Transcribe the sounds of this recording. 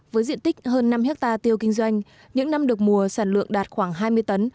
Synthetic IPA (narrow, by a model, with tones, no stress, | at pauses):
vəː˨˦jzḭ˧˨ənt̪ï˦˥k̟̚həː˧nːa˧mhɛ˦˥k̚t̪aː˧t̪i˧əwkï˧ŋ̟zwa˧jŋ̟ | ɲɨ̰˧˥ŋna˧mɗɨ˨˩ək̚mu˨˩əsaː˧˩nlɨ̰˧˨əŋɗaː˨˩t̚xwaː˧˩ŋɦaː˧jmɨ˧əjt̪ə˨˦n